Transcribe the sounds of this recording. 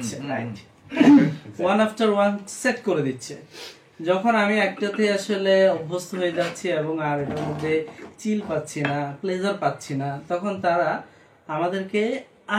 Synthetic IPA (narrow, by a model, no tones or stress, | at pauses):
eɾaj | wanafʈaɾwanseʈkoɾed̪itːɕʰḛ | d͡ʑɔkʰonamiɛk̚ʈat̪eaʃoleɔbʱːost̪oɦojed͡ʑatːɕʰieboŋaɾeʈamod̪ʱːet͡ɕilpatːɕʰinapled͡ʑaɾpatːɕʰinat̪ɔkʰont̪aɾa | amad̪eɾke | a